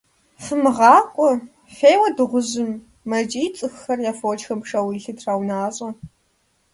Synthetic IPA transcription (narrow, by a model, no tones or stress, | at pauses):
fɨmɨʁɑːkʷʼɔ | feːjwɐdɨʁʷʊzɨmː | ɐd͡ʒʼiːt͡sʼɨxːɐrjaːfowt͡ʃxɐmpʂɐwiɬɨtrawnaːɕʼɐ